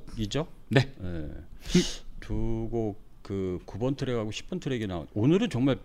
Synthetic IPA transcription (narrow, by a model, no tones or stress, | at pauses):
id͡ʑonejḛ | tuɡo | kɯkubʌntʰɯɾeɡaɡoɕʰi̥p͈ʌntʰɯɾe̞ɡena̰o̰nonɯɾɯnt͡ɕʌŋmaɭ